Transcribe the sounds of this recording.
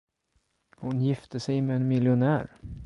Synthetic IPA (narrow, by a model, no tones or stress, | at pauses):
hʊnjɪft̪əsɛjmɛːnmɪljʊnæːɾ